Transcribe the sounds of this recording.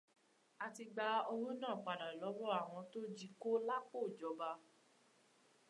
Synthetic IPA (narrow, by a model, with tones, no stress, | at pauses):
a˧ti˧ɡ͡ba˧˦ɔ˧ɾo˦nãː˦˨k͡pa˨da˨lɔ˨˦wɔ˦a˦˨w̃ɔ̃˧to˦d͡ʒi˦˧ko˦la˦k͡po˦˨d͡ʒɔ˨˦ba˧